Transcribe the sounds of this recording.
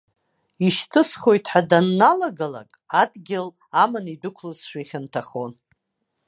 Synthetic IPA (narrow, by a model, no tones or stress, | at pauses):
iʃtʰɨsχo̞jtʰħadanːalaɡala̰kʼadɡʲɪl | amanidɨkʷʰlɨzʃʷᶣaiχʲɪntʰaχo̞n